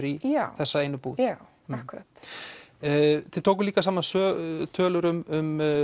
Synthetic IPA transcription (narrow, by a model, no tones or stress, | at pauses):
ɾiaθɛsːaeːjnʏpuːaw | akɾaːt̪ː | θʰɪt̪ʰoːwk̬ʏliːkas̬aːmansœːt̪ʰœːlʏɾʏmʏm